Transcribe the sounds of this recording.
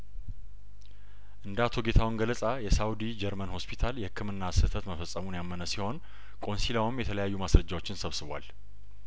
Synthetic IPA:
ʔɨnd̪əat̪ʰo̞ɡe̞t̪ʰawɨnɡələsʼajɛsawd̪id͡ʒɛɾmənho̞spʰit̪ʰaljɛhɨkʰːɨmɨnːasɨt̪ʰət̪məfəsʼːəmunjamːənəsiho̞n | kʼo̞nsilawɨmjɛt̪ʰələjajːumasɾəd͡ʒawo̞t͡ʃːɪnsəβsɨβwa̰l

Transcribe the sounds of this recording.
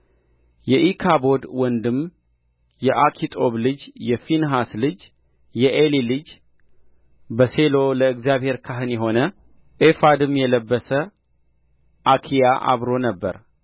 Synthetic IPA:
jɛʔikʰabo̞d̪wɔnd̪ɨm | jɛʔakʰit̪ʼo̞βlɨd͡ʒjɛfinɦaslɨd͡ʒ | jɛʔelilɨd͡ʒ | bəse̞lo̞ləɨkzjaβhe̞ɾkʰaɦɨnjɛɦo̞nə | ʔefad̪ɨmjɛləbːəsə | ʔakʰijaʔa̰βɾo̞nəbːə̰ɾ

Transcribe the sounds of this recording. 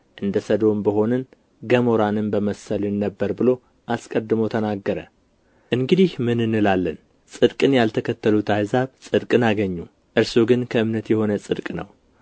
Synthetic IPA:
ʔɨnd̪əsəd̪ombəɦo̞nɨn | ɡəmoɾanɨmbəməsːəlɪnːəbːəɾbɨlo̞ | ʔaskʼəd̪ːɨməwt̪ʰənaɡːəɾə | ʔɨŋɡɨd̪ihmɨnɨnːɨlalːən | sʼɨd̪kʼɨnjalt̪ʰəkʰət̪ːəlut̪ajzaβsʼɨd̪kʼɨnaɡəɲːu | ʔɨɾsuɡɨnkʰəɨmnət̪jɛho̞nəsʼɨd̪kʼnə̰w

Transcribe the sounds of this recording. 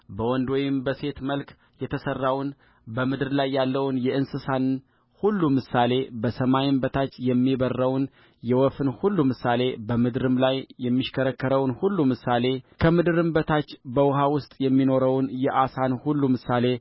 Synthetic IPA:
bəwɔnd̪ojɪmbəse̞t̪məlk | jɛt̪ʰəsərːawn | bəmɨd̪ɨɾlajːalːəwnjɛʔɨnsɨsan | hulːumɨsale̞bəsəmajɪmbət̪ʰat͡ʃːjɛmːibərːəwn | jɛwɔfɨnhulːumɨsale̞bəmɨd̪ɨɾɨmlajːɛmːiʃkʰəɾəkːəɾəwnhulːumɨsale̞kʰəmɨd̪ɨɾɨmbət̪ʰat͡ʃːbəwʊɦawʊst̪ʼjɛmːino̞ɾəwnjɛʔasanhulːumɨsale̞

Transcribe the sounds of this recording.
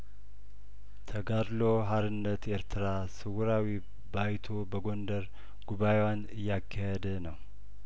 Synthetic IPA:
t̪ʰəɡaɾloɦaɾɨnːət̪jeɾt̪ʰɨɾa | sɨwuɾawi | bajt̪ʰobəɡo̞nd̪əɾ | ɡ̥uβajewanɨjːakʰːahed̪ənəw

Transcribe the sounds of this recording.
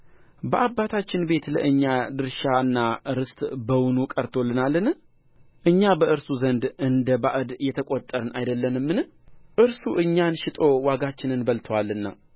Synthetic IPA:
bəʔabːat̪ʰat͡ʃːɪnbe̞t̪ləʔɨɲːad̪ɨɾʃaɨnːaɾɨst̪ʼbəwʊnukʼəɾt̪ʰo̞lːɨnalːɨn | ʔɨɲːabəʔɨɾsuzənd̪ɨnd̪əbaʔɨd̪jɛt̪ʰəkʼot̪ʼːəɾɨnʔajd̪əlːənɨmːɨnɨ | ʔɨɾsuʔɨɲːanʃɪt̪ʼo̞waɡat͡ʃːɪnɨnbəlt̪ʰwalːɨnːa̰

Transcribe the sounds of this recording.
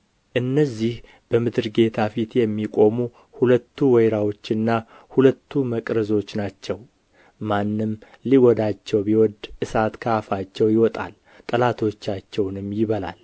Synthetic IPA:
ʔɨnːəzːih | b̥əmɨd̪ɨɾɡe̞t̪ʰafit̪jɛmːikʼo̞mu | hulət̪ʰːuwɛjɾawo̞t͡ʃːɨnːa | hulət̪ʰːuməkʼɾəzo̞t͡ʃːnat͡ʃːɛw | manːɨm | liwɔd̪at͡ʃːɛwbiwɔd̪ʔɨsat̪kʰafat͡ʃːɛwjɪwɔt̪ʼa̰l | t̪ʼəlat̪ʰo̞t͡ʃːat͡ʃːɛwnɨmːjɪβəla̰l

